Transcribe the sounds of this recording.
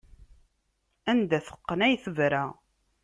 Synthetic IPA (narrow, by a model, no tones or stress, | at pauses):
ænd̪æθə̥qːənæjθəvɾæ